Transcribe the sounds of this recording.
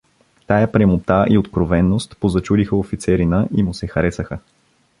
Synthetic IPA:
t̪ajapɾɛmot̪aʔiot̪kɾovɛnːost̪pozɐt͡ʃud̪ixəofit̪sɛɾinəʔimʊsɛxɐɾɛsəxə

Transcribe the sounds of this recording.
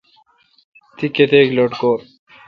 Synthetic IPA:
t̪ikːet̪ekloʈkoɾ

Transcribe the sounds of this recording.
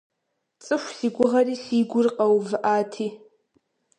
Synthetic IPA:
t͡sʼɨʃʷsiɡʷʊʁariɬiɡʷʊrqʼawvʔatʰi

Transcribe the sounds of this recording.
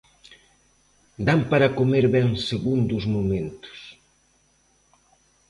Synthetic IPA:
d̪ampaɾɐkomeɾβɛŋseɣund̪ʊzmumẽnt̪ʊ̥s

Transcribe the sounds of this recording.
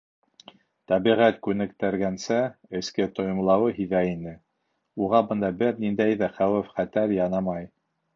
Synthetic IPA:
t̪æβiʁæt̪kʉnɘ̆kt̪æɾɡænsæɘ̆skɘt̪ŏjŏmlˠɑwɤɦiðæinɘ | uʁɑbɤ̆nd̪ɑbɘɾnind̪æjðæχæwɘfχæt̪æɾjɑnɑmɑj

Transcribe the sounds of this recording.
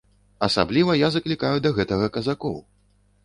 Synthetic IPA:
ɐsa̰blʲivɐjazɐklʲikajud̪ɐɣɛt̪ɐɣɐkɐzakɔw

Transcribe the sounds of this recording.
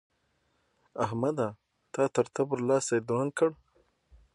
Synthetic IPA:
ahmad̪a | t̪ɑt̪əɾt̪abɾlɑːsajd̪ɾan̚kəɽ

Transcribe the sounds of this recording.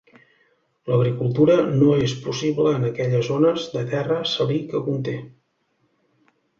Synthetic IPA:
ləɣ̞ɾikulˠt̪uɾənoespusiβləːnəkɛʎəzonəzd̪ət̪ɛrəsəlikəkunt̪e

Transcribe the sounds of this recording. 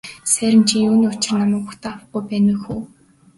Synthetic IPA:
sæːɾʲɘ̆mt͡ɕʰijuːniːʊt͡ɕɪ̆rnamə̆ːkpuxt̪ʰaːawə̆χ̚ɡujpæːnʊxuː

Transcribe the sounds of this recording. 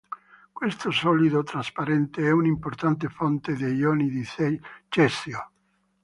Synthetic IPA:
kwest̪osɔlid̪ot̪ɾaspaɾɛnt̪eɛunimport̪ant̪efont̪ed̪ejɔːnid̪it͡ʃɛsjo

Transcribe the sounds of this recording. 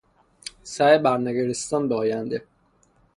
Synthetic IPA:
sæebæɾnæɡeɾest̪ɒnbeɒːjænd̪e

